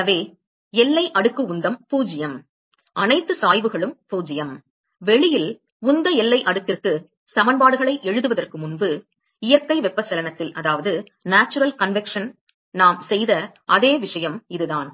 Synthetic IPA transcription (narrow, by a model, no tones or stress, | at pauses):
ɐʋeː | ɛlːɐɪʔɐɽɯkːɯʊnd̪ɐmpuːd͡ʒɪjɐm | ʔɐnɐɪt̪ːɯsaːjʋɯɣɐɭɯmpuːd͡ʒɪjɐm | ʋɛɭɪjɪl | ʊnd̪ɐɛlːɐɪʔɐɽɯkːɪrkːɯ | sɐmɐnbaːɽɯɣɐɭɐɪʔɛɻɯðɯʋɐðɐrkɯmʊnbɯ | ɪjɐkːɐɪʋɛpːɐsɛlɐnɐt̪ːɪlɐðaːʋɐðɯ | naːt͡ʃːɯɾɐlkɐnʋɛkʂɐn | naːmsɛjðɐ | ʔɐðeːʋɪʂɐjɐmɪðɯðaːn